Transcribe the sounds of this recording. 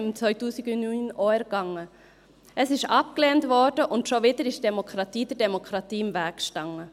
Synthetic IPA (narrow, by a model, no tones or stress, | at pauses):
ɪmt͡sʋœʏtuːsiɡunyːnɔɛɾɡ̥ɑŋːə | ʔəsɪʃɑp̚klɛːntvɔɾdəʔʊntʃovɪdəɾɪʃd̥ɛmokʰɾɑtiːd̥əɾdɛmokʰɾɑtiːɪmvæːkʃtɑŋə